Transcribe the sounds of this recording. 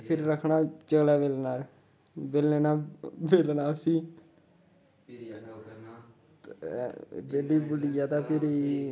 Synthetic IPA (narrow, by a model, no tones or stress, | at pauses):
pʰɪɾːəkʰɳaːt͡ʃəɡlaːʋeːlnaːɾ | beːlneːnaːʋeːlnaːəsiː | beːliːbʊɽijaːt̪aːpʰɪɾ